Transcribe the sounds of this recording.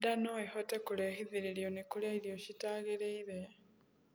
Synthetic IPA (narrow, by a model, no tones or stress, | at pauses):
d̪anoexotekulehiðiɾiɾjonekulaiðjoɕitaːɣeɾeiɾe